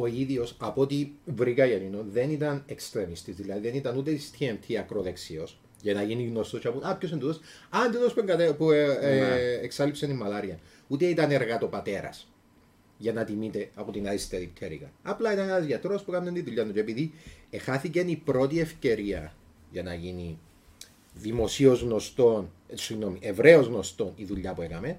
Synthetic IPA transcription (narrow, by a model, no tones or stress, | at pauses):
oiðio̞sɐpo̞t̪ivɾikɐʝɐninoðe̞nit̪ɐnekst̪ɾe̞mist̪izðilɐðiðe̞nit̪ɐnut̪et̪i̥st̪ʰient̪ʰiɐkɾoðeksios | ʝɐnɐʝiniɣnost̪ot͡ʃɐpuɐpços̬ind̪uðosɐnd̪iðospueŋɡɐt̪epu | eksɐlipsenimːɐlɐɾiɐn | ut̪e̞it̪ɐne̞ɾɣɐt̪o̞pɐt̪e̞ɾɐ̰s | ʝɐnɐt̪imit̪e̞ɐpot̪inɐðist̪eðipt̪ʰeɾḭkɐ̰nɐplɐit̪ɐnenɐzʝɐt̪ɾo̞spukɐnːent̪iðuʎːɐnut͡ʃeepiðiexɐθice̞nipɾo̞t̪iefce̞ɾiɐ | ʝɐnɐʝini | ðimo̞sio̞zɣno̞st̪o̞n | sinomiʔevɾe̞o̞zɣno̞st̪o̞niðuʎːɐpuekɐme̞n